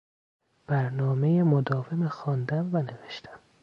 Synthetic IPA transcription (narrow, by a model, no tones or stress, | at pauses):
b̥æɾnɒːmejemod̪ɒːve̞mexɒːnd̪æmvæne̞veʃt̪ʰæ̥m